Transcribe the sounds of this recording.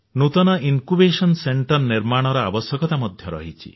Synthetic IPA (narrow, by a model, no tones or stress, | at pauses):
nut̪ɔnɔʔiŋkubesɔnseɳʈɔɾniɾmaɽ̃ɔɾɔabɔsjɔkɔt̪amɔd̪ʱjɔɾɔ̰ɦit͡ʃʰḭ